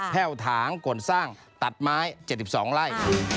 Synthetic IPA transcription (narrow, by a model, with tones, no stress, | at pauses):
p̪ʰɛː˥˩wt̪ʰaː˩˦ŋko˨˩nsaː˥˩ŋ | t̪a˨˩t̪̚maː˦˥jt͡ɕe˧˨˩t̪̚si˨˩p̚sɔː˩˦ŋɾaː˥˩jʰ